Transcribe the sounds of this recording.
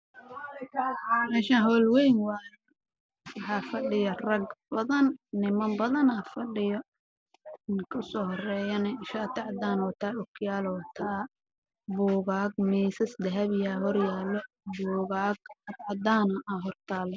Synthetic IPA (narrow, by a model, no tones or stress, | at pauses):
mɛːʃaɦɔːlwɛjnwɑːjɛ | wɑħɑːfɐɖɪjɐrɐɡbɐðɐnːɪmɐmbɐðɐnaːfɐɖɪjɔ | ɪnkʰɐsɔːhɔrɛːjɐnɛɪʃaːt̪ʰɛʕɑd̪aːnɔːt̪ʰaːʔʊkʰjaːlɔt̪ʰaː | bɔːɣaːɡmiːsɐsd̪ɛɦɐβjaːɦɔrjaːlːɔ | buːɣaːɡɐt̪ʕɑd̪aːnɐʔaɦɔrt̪ʰaːlɔ